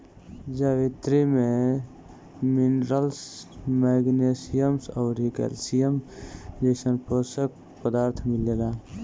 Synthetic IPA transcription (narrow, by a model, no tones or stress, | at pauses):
d͡ʒəʋit̪ɾime | minɾəlsmɛːɡnesijəmsəːɾikḛlsijəmd͡ʒeɪsənposək̚ | pəd̪aːɾt̪ʰmilelaː